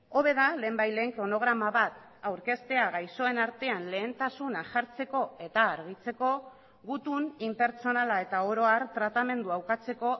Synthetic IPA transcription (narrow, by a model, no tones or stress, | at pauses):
o̞β̞e̞ðale̞ːmbajle̞ːŋkɾo̞no̞ɣ̞ɾamaβat̪ | awɾke̞st̪e̞aɣajso̞e̞naɾt̪e̞anle̞ːnt̪asunaʝaɾt͡se̞ko̞e̞t̪aːɾɣ̞it͡se̞ko̞ | ɣut̪unimpe̞ɾt͡so̞nalae̞t̪aoɾo̞aɾt̪ɾat̪ame̞nd̪uawkat͡se̞ko̞